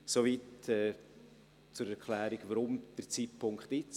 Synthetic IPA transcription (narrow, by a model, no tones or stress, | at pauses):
soviːtɛː | t͡sʊɾɛɾkʰlæːɾiɡvaɾʊmd̥əɾt͡siːt̚pʰʊŋkχtɪt͡s